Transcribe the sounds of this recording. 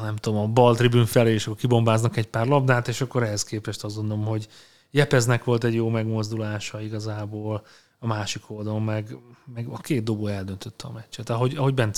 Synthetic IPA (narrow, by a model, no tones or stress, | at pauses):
nɛmt̪ud̪omɒbɒlt̪ribynfɛleːʃɒkːorkibo̞mbaːznɒkɛcpaːrlɒbnaːt̪eːʃɒkːo̞ɾɛɦɛskeːpɛʃt̪ɒzɡo̞nd̪olomɦo̞ɟ | jɛpɛznɛkʋo̞lt̪ɛɟjoːmɛɡmo̞zd̪ulaːʃɒiɡɒzaːboːl | ɒmaːʃikʰold̪ɒlommɛɡmɛɡɒkeːt̪d̪oboɛld̪ø̞nt̪ø̞t̪ːɛɒ̰mɛcːt͡ʃːɛt̪ɒɦo̞ɟɒɦo̞ɟbɛnː